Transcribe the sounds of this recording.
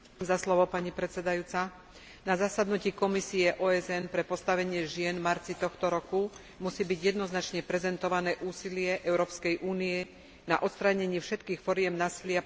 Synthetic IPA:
mzaslɔʋɔpaɲipɾɛt̪t͡sɛd̪ajuːt͡sa | nazasad̪nuciːkɔmisiɛʔɔːɛzɛnpɾɛpɔst̪aʋɛɲɪɛʒɪɛnmaɾt͡sit̪ɔxt̪ɔɾɔku | musiːbiɟjɛd̪nɔznat͡ʃɲɛpɾɛzɛnt̪ɔʋanɛːʔuːsilɪɛʔɛʊɾɔːpskɛjʔuːnijɛ | na̰ʔɔt̪st̪ɾaɲɛɲɪɛfʃɛt̪kiːxfɔɾɪɛmnaːsilɪa

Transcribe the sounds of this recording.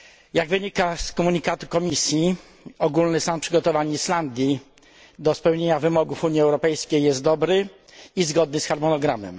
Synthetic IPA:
jaɡvɘɲikaskɔmuɲikat̪u̥kɔmʲisʲji | ɔɡulnɘsanpʂɘɡɔt̪ɔvaɲisland̪ʲji | d̪ɔspɛwɲeɲavɘmɔɡufuɲiɛwɾɔpɛjskʲejːɛst̪̚d̪ɔbɾɘ | izɡɔd̪nɘsxaɾmɔnɔɡɾamɛ̰m

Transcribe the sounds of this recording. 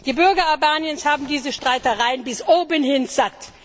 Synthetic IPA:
d̥iːbʏɐɡɐalbaːnjənshaːbm̩diːzəʃtʁ̥aɪtəʁaɪənbɪsʔoːbənhɪnz̥at

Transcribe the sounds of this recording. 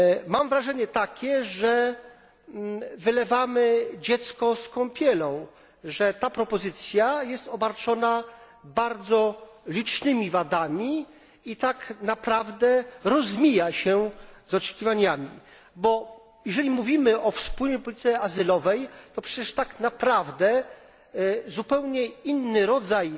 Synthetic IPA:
mamvɾaʐɛɲɛt̪akʲɛʐɛ | vɘlɛvamɘd͡ʑɛt̪skɔskɔ̃mpʲjɛlɔ̃w̃ | ʐɛt̪apɾɔpɔzɘt̪sʲjajɛst̪ɔbaɾt͡ʂɔna | baɾd̪zɔ | lʲit͡ʂnɘmʲivad̪amʲi | it̪aknapɾavd̪ɛɾɔzmʲijaɕɛzɔt͡ʂɛ̥kʲivaɲamʲi | bɔ | jɛʐɛlʲimuvʲimɘʔɔfspulɲɛjpɔlʲit̪sʲɛazɘlɔvɛjt̪ɔpʂɛt͡ɕɛʂt̪aknapɾavd̪ɛ | zupɛwɲɛinːɘɾɔd̪zaj

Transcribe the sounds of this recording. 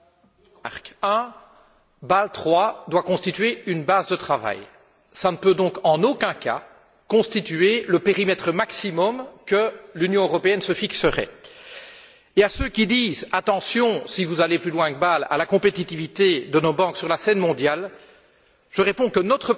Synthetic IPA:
a̰ʁkɛ̃ | balt̪χwad̪wakɔ̃st̪it̪ɥeynbazd̪ət̪χava̰j | sanəpød̪ɔ̃kɑ̃nokʲɛ̃ka̰ | kɔ̃st̪it̪yeləpeʁimɛt̪χəmaksimɔmkəlynjɔ̃øʁɔpeɛnsəfiksəʁɛ̰ | easøkʲid̪iːzat̪ɑ̃sjɔ̃sivuzaleplylwɛ̃kəbala̰lakɔ̃pet̪it̪ivit̪ed̪ənobɑ̃ksyʁlasɛnmɔ̃d̪jal | ʒ̥əʁepɔ̃kənɔt̪χə

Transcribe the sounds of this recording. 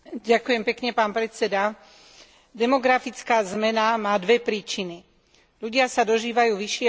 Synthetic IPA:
ɟakujɛmpɛkɲɛpaːnpɾɛt͡sɛd̪a | d̪ɛmɔɡɾafit͡skaːzmɛnamaːd̪ʋɛpɾiːt͡ʃini | ʎuɟɪasad̪ɔʒiːʋajuːʋiʃɪɛ

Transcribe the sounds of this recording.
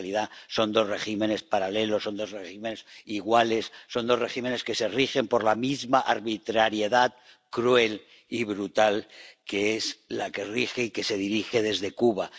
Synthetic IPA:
liðaso̞nd̪o̞zre̞ximẽ̞ne̞spaɾale̞lo̞sːo̞nd̪o̞zreximenesiɣwale̞sːo̞nd̪o̞re̞xime̞ne̞ske̞se̞rixe̞mpo̞ɾlamizmaʔaɾβit̪ɾaɾje̞ðað | kɾue̞l | iβɾut̪alke̞eslake̞rixeike̞se̞ð̞iɾixe̞ð̞e̞zðe̞kuβa

